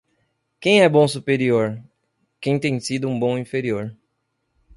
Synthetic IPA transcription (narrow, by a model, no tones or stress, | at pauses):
kẽj̃ɛbõw̃supeɾioɾ | kẽj̃t̪ẽj̃sid̪ʊũbõw̃ĩfeɾioɾ